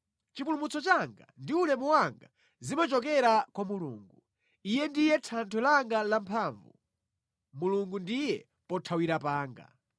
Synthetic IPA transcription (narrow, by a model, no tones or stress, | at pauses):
t͡ʃipulumut͡sɔt͡ʃaŋɡa̰ndiulɛmuwaŋɡa | zimat͡ʃɔkɛɾakwamuluːŋɡu | ijɛndijɛtʰantʰulaŋɡalampʰaːɱvu | muluŋɡundijɛ | pɔtʰawiɾapaːŋɡa̰